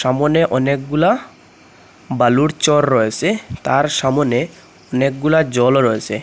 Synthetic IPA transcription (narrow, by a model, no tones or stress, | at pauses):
ʃamoneʔɔnekɡula | baluɾt͡ɕɔɾːɔet͡ɕʰet̪aɾʃamone | ɔnek̚ɡulad͡ʑɔlɾɔet͡ɕʰe